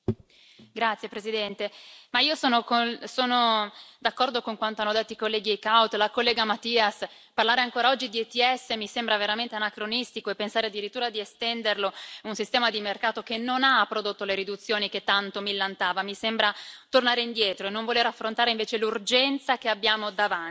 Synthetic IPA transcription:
ɡɾat̪sːjepɾezid̪ɛnt̪emaiːosoːnokonsoːnod̪akːɔrd̪okoŋkwant̪oanːod̪et̪ːoikolːɛːɡiajkawt̪lakolːɛːɡamat̪iːas | parlaːɾeaŋkoːɾaɔd͡ʒːid̪iet̪iɛsːemisembɾaveɾament̪eanakɾonist̪ikoepːensaːɾead̪ːiɾit̪ːuːɾad̪iest̪ɛnd̪erlounsist̪ɛːmad̪imerkaːt̪okenːonapːɾod̪ot̪ːoleɾid̪ut̪sːjoːniket̪ːant̪omilːant̪aːvamisembɾat̪ornaːɾeind̪jɛːt̪ɾoenːoɱvoleɾafːɾont̪aːɾeiɱveːt͡ʃelurd͡ʒɛnt̪sakeabjaːmod̪avan

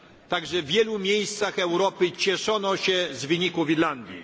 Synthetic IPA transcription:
t̪aɡʐɛvʲjɛlumʲjejst̪saxɛwɾɔpɘt͡ɕɛʂɔnɔɕɛzvɘɲikuviɾland̪ʲjḭ

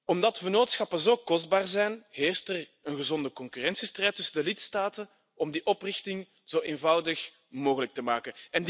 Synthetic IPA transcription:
ɔmdɑtʋənoːtsxɑpəzoːkɔzd̚baːrzɛjnɦeːrstər | ənɣəzɔndəkɔŋkyrɛnsistrɛjtːɵsəndəlɪtstaːtən | ɔmdiʔɔprɪxtɪŋ | z̥oːʔeːnvɑwdəx | moːɣələk̚təmaːkənɛnd

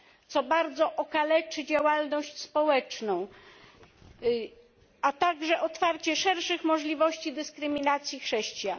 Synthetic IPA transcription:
t̪sɔbaɾd̪zɔʔɔkalɛt͡ʂɘd͡ʑawalnɔɕt͡ɕspɔwɛt͡ʂnɔ̃w̃ | at̪aɡʐɛʔɔt̪faɾt͡ɕɛʂɛɾʂɘxmɔʐlʲivɔɕt͡ɕid̪ɘskɾɘmʲinat̪sʲjixʂɛɕt͡ɕja

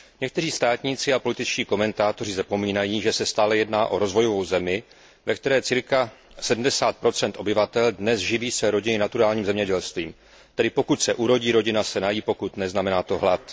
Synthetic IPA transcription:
ɲɛkt̪ɛriːst̪aːt̪ɲiːt͡sɪapo̞lɪt̪ɪt͡ʃciːko̞mɛnt̪aːt̪o̞r̝ɪzapo̞miːnajiːʒɛsɛst̪aːlɛjɛdnaːʔo̞ɾo̞zvo̞jo̞vowzɛmɪ | vɛkt̪ɛɾɛːt͡sɪɾka | sɛdm̩dɛsaːt̪̚pɾo̞t͡sɛnt̪ʔo̞bɪvat̪ɛldnɛsʒɪviːsvɛɾo̞ɟɪnɪnat̪uɾaːlɲiːmzɛmɲɛɟɛlst̪viːm | t̪ɛdɪpo̞kut̪sɛʔuɾo̞ɟiːɾo̞ɟɪnasɛnajiːpo̞kut̪nɛznamɛnaːt̪o̞ɦlat̪

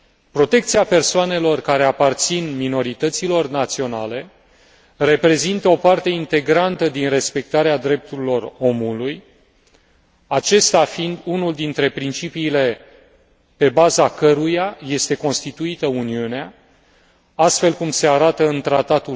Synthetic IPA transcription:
pɾo̞t̪e̞k̚t̪siape̞rsoane̞lo̞rkaɾe̞apart̪sinmino̞ɾit̪ət̪silo̞rnat̪sio̞na̰le̞ | re̞pɾe̞zint̪əo̞part̪e̞int̪e̞ɡɾant̪əd̪inre̞spe̞k̚t̪aɾead̪ɾe̞p̚t̪uɾilo̞ro̞muluj | at͡ʃe̞st̪afind̪unuld̪int̪ɾe̞pɾint͡ʃipiːle̞ | pe̞bazakəɾujaje̞st̪e̞ko̞nst̪it̪uit̪əuniunea | ast̪fe̞lkumse̞aɾat̪əɨnt̪ɾat̪at̪u

